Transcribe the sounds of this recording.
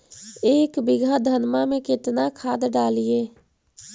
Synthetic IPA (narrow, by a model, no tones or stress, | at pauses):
eːkbɪɡʱad̪ʱənmamẽkɪt̪nakʰaːd̪ɖaːlieː